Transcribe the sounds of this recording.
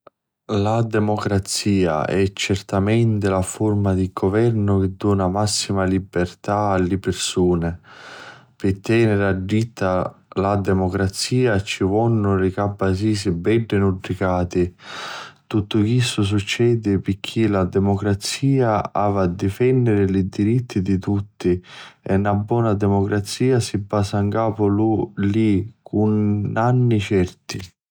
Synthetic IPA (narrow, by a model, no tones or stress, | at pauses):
lad̪ɛmɔkɾat̪siːa̰ɛt͡ʃːɛrt̪amɛnt̪ɪlaformad̪iɡɔvɛrnʊk̟ɪd̪ːɔːnamasːimalibert̪aːlːɪpɪrsuːnɪ | pɪt̪ːɛːnɪɾaɖːit̪ːalad̪ɛmɔkɾat̪siːat͡ʃːivɔnːʊlɪkabːas̬iːsibɛɖːenuɖɾikaːt̪i | t̪ut̪ːʊkisʊs̬ut͡ʃːɛːd̪ɪpɪkʰːilad̪ɛmɔkɾat̪siːaaːvad̪ːifɛnːɪɾɪlid̪iɾit̪ːid̪it̪ut̪ːiɛnːabːwɔːnad̪ɛmɔkɾat̪siːasibːaːsaŋkaːpʊlulikʰunanːit͡ʃɛrt̪i